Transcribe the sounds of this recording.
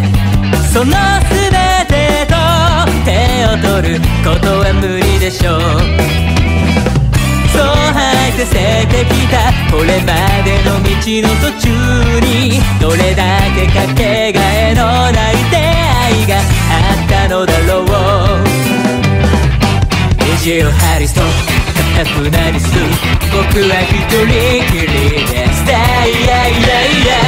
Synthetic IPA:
sonːo | sɨbe | t̪e | t̪o | t̪e̞ot̪oɾɯkot̪oɡamɯɾid̪e̞ɕo | soɦaisese | t̪e̞kʲit̪akoɭe̞mad̪e̞nomʲit͡ɕinosot͡ɕu | ɲi | d̪oɾe̞d̪ake̞kake | ɡaeno | nait̪e | aiɡa | at̪ːano̞d̪alowo | eʑieɾohaɾiso | mat̪akɯnaɾʲisɯbokɯβaçit̪oɾikiɾed̪easi̥t̪aijaijaia

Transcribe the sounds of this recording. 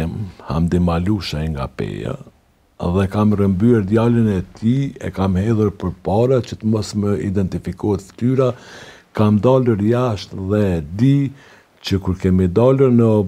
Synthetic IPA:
mha̰md̪imaluʃaiŋɡa̰pɛ̰ja̰ | ðɛkamrəmbyɛɾd̪jalənɛt̪ʰiɛ̰kamhɛðuɾpəɾpaɾat͡ʃət̪əmɔsməḭd̪ɛnt̪ifikɔhɛt̪ft̪yɾa | kamd̪aluɾjaʃt̪ðɛd̪i | t͡ʃəkuɾkɛmid̪aluɾnə

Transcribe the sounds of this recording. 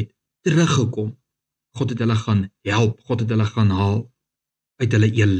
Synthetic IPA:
ɛtː | əɾəχəkɔm | χɔtɦɛtɦələχɑnɦælˠpχɔtɦɛtɦələχɑnɦɑːlˠ | œɥtɦələʔiəl

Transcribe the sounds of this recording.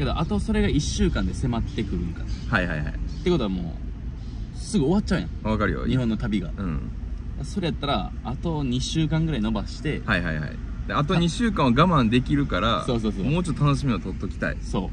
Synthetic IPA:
ke̞d̪o̞ʔat̪o̞so̞ɾe̞ɡaiɕːɨːkãnd̪e̞se̞mat̪ːe̞kɯ̟ɾɯ̟̃ŋkanahaiɦa̰iha̰it̪ːe̞kot̪o̞amo̞̰ː | sɨɡɯ̟o̞βat̚ːt͡ɕːaɯ̟jã̰ŋβakaɾɯ̰jo̰ɲihõ̞nːo̞t̪abʲiɡa̰ɯ̰̃ | d̪aso̞ɾe̞jat̪ːaɾa̰ː | t̪o̞ɲ̟iɕɨːkãŋɡɯɾaino̞baɕi̥t̪e̞haiɦa̰iha̰ḭ | d̪̥eat̪o̞ɲiɕɨːkãɰ̃aɡamãnd̪e̞kʲiɾɯ̟kaɾaso̞ːso̞ːsomo̞ːt͡ɕot̪ːot̪ʰːanoɕimʲiot̪ot̪ːo̞kʲi̥t̪a̰ḭso̞̰ː

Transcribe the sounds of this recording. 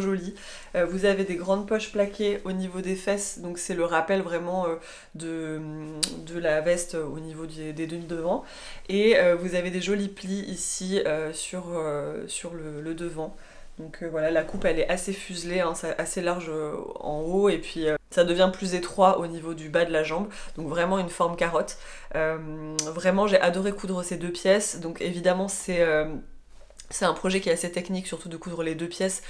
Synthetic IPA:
ʒɔli | øvuzaved̪eɡʁɑ̃d̪̚pɔʃplakʲeonivod̪efɛsd̪ɔ̃ksɛləʁapɛlvʁɛmɑ̃ø | d̪əmd̪əlavɛst̪øonivod̪ed̪ed̪əmild̪əvɑ̃ | eøvuzaved̪eʒɔlipliʔisiøsyʁøsyʁlələd̪əvɑ̃ | d̪̥ɔ̃kʰøvwalalakupɛlɛʔasefyzleɛ̃sɛʔaselaʁʒøɑ̰̃oepɥiøsad̪əvjɛ̃plyzet̪χwaʔonivod̪ybad̪əlaʒɑ̃bd̪̥ɔ̃kvʁɛmɑ̃ynfɔʁmkaʁɔt̪ | ømvʁɛmɑ̃ʒeʔad̪ɔʁekud̪ʁəsed̪øpjɛsd̪ɔ̃kʰevid̪amɑ̃sɛøm | sɛt̪ɛ̃pχɔʒɛkʲiɛt̪aset̪ɛkniksyʁt̪ud̪əkud̪ʁəled̪øpjɛs

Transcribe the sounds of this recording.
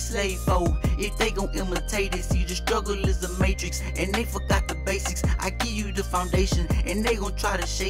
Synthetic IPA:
seɪfoʊɪfðeɪɡõʊ̃ntɪ̃mətʰeɪɾɪsɨd͡ʒɨstɹ̥ʌɡl̩ˠlɪzðəmeɪt͡ʃɹ̥ɨks | ɨ̃nðeɪfə˞ɡɑt̪̚ðəbeɪsɨksʔa̰ɪɡɪvjɨðɨfãʊ̃ndeɪʃɨ̃nɨ̃nðeɪɡõʊ̃ntʰɹ̥aɪɾɨʃeɪ

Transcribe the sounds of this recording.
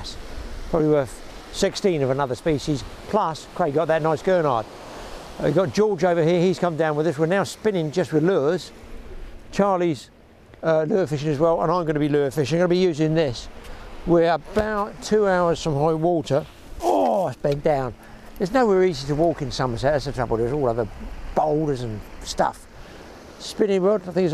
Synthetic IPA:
spʰɹ̥ɑbliwə˞ | sɪkstĩnʌvənʌðə˞spiʃiz̥pʰl̥ʌskʰɹ̥eɪɡɑt̪̚ðɨtⁿnaɪsɡ̥ɜ˞nɑ̰ɹd̥̚ | wḭɡɑt̚d̥ʒ̥ɔɹd͡ʒoʊvə˞hiɹiz̥kʰʌ̃mdãʊ̃nwɨðʌswɪɹnaʊspɪ̃nɪ̃ŋd͡ʒʌst̚wɨðlʉəz̥ | t͡ʃʰɑɹlˠiz̥ | ʌlʉəfɪʃɪ̃nɨzwɛlˠə̰̃nãɪ̃mɡʌnəbilʉəfɪʃɡʌnəbijʉzɪ̃ŋðɪswɪɹəb̥aʊtʰʉaʊə˞z̥fɹə̃mhaɪwɔˑɾə˞ | ɔaɪspɛ̃nd̥ãʊ̃n | ðə˞znoʊwɛɹiziɾəwɔˑkɨ̃nsʌ̃məsɛtɨzɨtʰɹ̥ʌbl̩ˠdə˞zɔlˠʌðə˞b̥oʊlˠɾə˞zə̃nstʌ̰f | spɪ̃nɪ̃ŋwədaɪθɪ̃ŋɪs

